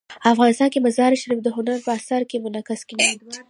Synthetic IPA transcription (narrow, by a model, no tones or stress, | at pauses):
əafɣɑnɪst̪ɑnkemazɑɾʃaɾifd̪əɦʊnaɾpəasaɾkemʊnakaskenad̪